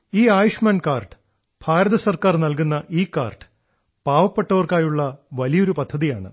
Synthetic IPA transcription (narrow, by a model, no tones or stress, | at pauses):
iːaːjuʂmaːnkaːrʈɨ̥ | bʱaːɾɐðɐsɐrkaːrnɐlkunːɐʔiːkːaːrʈɨ̥ | paːʋɐpːe̞ʈːɐʋɐrkaːjuɭːɐʋɐlijo̞ɾupɐd̪ʱːɐðijaːɳɨ̰